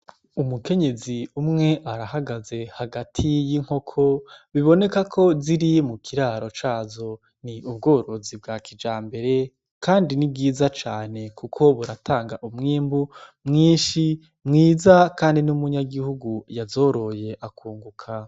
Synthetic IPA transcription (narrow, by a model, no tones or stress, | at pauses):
umuke̞ɲe̞ziumŋe̞ʔaɾahaɡaze̞haɡatʰijiŋ̥ho̞kʰo̞βiβo̞ne̞kakʰo̞ziɾimukʰiɾaːɾo̞t͡ʃaːzo̞ | niʔubɡoːɾo̞zib̚ɡakid͡ʒaːmbe̞ɾe̞ | kaːndinib̚ɡiːzat͡ʃaːne̞kukʰo̞βuɾatʰaːŋɡaʔumŋiːmbumŋiːnʃi | mŋiːzakaːndinumuɲaɡihuɡujazo̞ɾo̞je̞ʔakʰuːŋɡukʰa